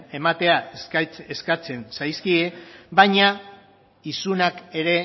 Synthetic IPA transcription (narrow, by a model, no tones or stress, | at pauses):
e̞mat̪e̞at͡seskat͡se̞nsajskiebajɲa | isunake̞ɾe̞